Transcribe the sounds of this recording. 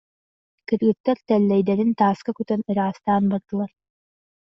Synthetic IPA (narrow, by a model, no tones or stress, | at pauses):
kiɾɡɘk̚t̪ːɛɾt̪ɛlːɛjd̪ɛɾint̪aːskakyt̪ønɯɾaːst̪aːnbɑɾd̪ɯlˠɑɾ